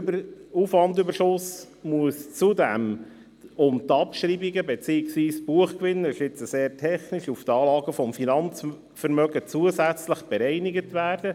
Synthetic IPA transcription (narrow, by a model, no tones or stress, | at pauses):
bufʋɑndybərʃʊs | muəst͡sudɛm | ʊmt̪ɑpʃɾiːbiɡəbɛt͡siːɪksʋiːsb̥uəχkʋɪnːəɾɪʃɪt͡səseːɾtʰɛχnɪʃuft̪ɑːlɑːɡəfɔmfinɑnt͡s | fəɾmœɡət͡suəsæt͡sləχb̥ɛɾɛɪniɡətʋæːrd̥ə